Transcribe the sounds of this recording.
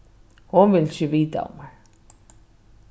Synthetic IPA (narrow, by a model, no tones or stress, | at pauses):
hunvɪlsʏviːt̪a̰ʊ̰maɾ̥